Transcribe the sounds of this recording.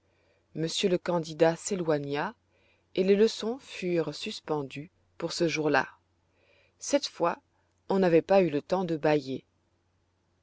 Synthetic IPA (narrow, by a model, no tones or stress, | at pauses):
məsjøləkɑ̃d̪id̪aselwaɲa | eleləsɔ̃fyːʁsyspɑ̃d̪y | puʁsəʒuʁla̰ | sɛt̪fwa | ɔ̃navɛpaylət̪ɑ̃d̪əbaje